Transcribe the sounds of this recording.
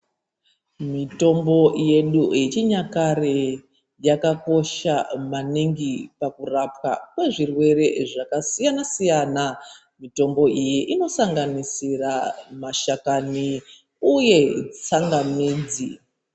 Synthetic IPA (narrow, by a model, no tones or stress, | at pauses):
mito̞mbo̞je̞ɗujet͡ʃiɲakare | jakako̞ʃamaniŋɡipakurapwa̰kwe̞ʐirwe̞re̞ʐakasijanasijana | mito̞mbo̞ʔijiʔino̞saŋɡanisiramaʃakani | uje̞t͡saŋɡamiːd͡zi